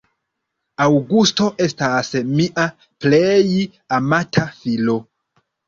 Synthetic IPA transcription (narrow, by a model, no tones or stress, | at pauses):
awɡusto̞ʔe̞stasmiʔa | plej | amatʰafilo̞